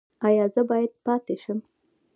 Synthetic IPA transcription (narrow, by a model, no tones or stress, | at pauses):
ɑjɑzəbɑjad̪̚pɑt̪eʃəm